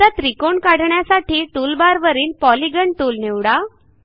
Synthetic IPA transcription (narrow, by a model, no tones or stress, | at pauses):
at̪ɾikoɳkaɽ̤ɳjasaʈʰiːʈulbaɾʋəɾiːnpɔliɡəɳʈ̪ulneʋɽa